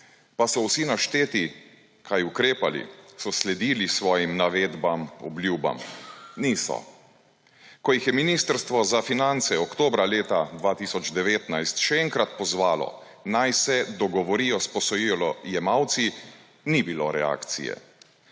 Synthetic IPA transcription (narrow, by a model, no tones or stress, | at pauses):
pasɔwsinaʃt̪eːt̪i | kʰajukɾeːpalḭsɔslɛd̪iːlisʋɔːjimnaʋeːd̪bamɔ̰bljuːba̰mnisɔ̰ | kɔjixjɛminist̪əɾst̪ʋɔzafinant̪sɛɔkt̪oːbɾaleːt̪ad̪ʋaːt̪iːsɔd͡ʒd̪ɛʋeːt̪najst̪ʃɛɛŋkɾat̪pɔzʋaːlɔ̰ | najsɛd̪ɔɡɔʋɔɾijɔspɔsɔjilɔjɛmawt̪si | nibiloɾɛa̰ːkt̪sḭjɛ̰